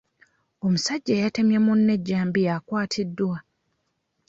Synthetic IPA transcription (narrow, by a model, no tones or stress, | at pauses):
o̞musaɟːeːjate̞mjamunːe̞ɟːaːmbijakwaːtʰidːwa